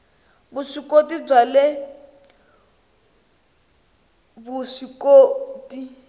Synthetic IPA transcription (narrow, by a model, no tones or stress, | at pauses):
busikotib͡ʐale | busikoːti